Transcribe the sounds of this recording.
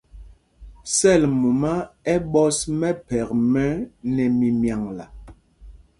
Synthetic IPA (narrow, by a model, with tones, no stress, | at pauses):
sɛ˦˨lmu˨ma˦ɛ˦ɓɔ˦smɛ˦pɛ˨kmɛ˦nɛ˨mi˨mja˨ŋla˨